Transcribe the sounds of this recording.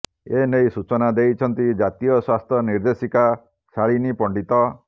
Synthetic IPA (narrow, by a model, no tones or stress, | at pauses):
enejsut͡ʃɔnad̪ejt͡ʃʰɔnt̪id͡ʒat̪ijɔswast̪ʰjɔniɾd̪esika | saɭinipɔɳɖit̪ɔ